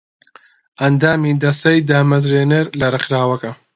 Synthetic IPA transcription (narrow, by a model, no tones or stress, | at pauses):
ʔɐnd̪aːmid̪ɐst̪ɐjd̪aːmɐzɾeːneɾlɐrɨχɾaːwɐkɐ